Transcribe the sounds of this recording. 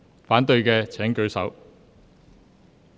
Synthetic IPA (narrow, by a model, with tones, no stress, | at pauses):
faː˨˥nt̪ɵ˧ɥkɛː˧t͡sʰɛː˨˥ŋkɵ˨˥ɥsɐ̰˨˥w